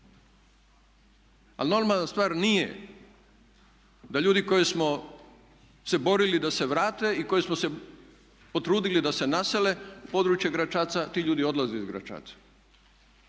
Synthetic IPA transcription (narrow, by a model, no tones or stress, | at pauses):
a̰lno̞ɾmalnast̪ʋaːɾnijḛ | d̪aʎuːd̪iko̞jesmo̞ | se̞bo̞ɾilid̪ase̞ʋɾaːt̪e̞iko̞jesmose̞ | po̞t̪ɾuːd̪ilid̪ase̞nasele̞upo̞ːd̪ɾuːt͡ʃjeɡɾat͡ʃaːt̪sat̪iʎuːd̪io̞d̪lˠazeizɡɾa̰t͡ʃa̰ːt̪ḁ